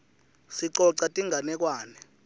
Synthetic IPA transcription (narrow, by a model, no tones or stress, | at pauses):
siǀɔǀatʼiŋʱanɛk̬waːnɛ